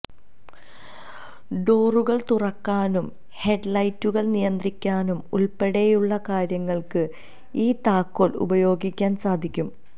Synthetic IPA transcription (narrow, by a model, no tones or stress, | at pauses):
ɖo̞ːruɣɐɭt̪urɐkːaːnum | he̞ɖlɐjtːuɣɐɭnijɐnd̪rikʲːaːnumuɭpeɽejuɭːɐkaːɾjɐŋːɐɭkɨ | iːt̪aːkːoːlṵbɐjo̞ːɡikʲːaːnsaːd̪ʱikʲːum